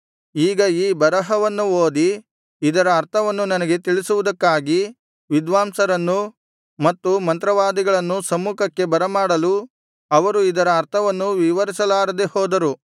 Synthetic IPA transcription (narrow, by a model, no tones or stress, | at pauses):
iːɡɐiːbɐɾɐɦɐʋɐnːuoːd̪iː | d̪ɐɾɐːɾt̪ʰɐʋɐnːunɐnɐɡe̞t̪iɭisuʋud̪ɐkːaːɡi | ʋid̪ʋaːmsɐɾɐnːu | mɐt̪ːumɐnt̪ɾɐʋaːd̪iɡɐɭɐnːusɐmuːkʰɐkːe̞bɐɾɐmaːɽɐlu | ɐʋɐɾuid̪ɐɾɐːɾt̪ʰɐʋɐnːuʋiʋɐɾisɐlaːɾɐd̪ehɔːd̪ɐɾu